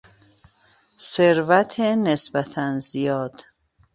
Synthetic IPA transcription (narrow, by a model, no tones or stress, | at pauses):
seɾvæt̪ʰenesbæt̪ʰænzijɒːd̪̥